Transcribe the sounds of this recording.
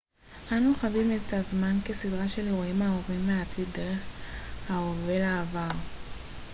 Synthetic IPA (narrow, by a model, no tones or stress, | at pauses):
ʔanuχavimetazmanke̞sidʁaʃe̞leʁoimaovimːeatʰidde̞ʁe̞χhaove̞laːvaʁ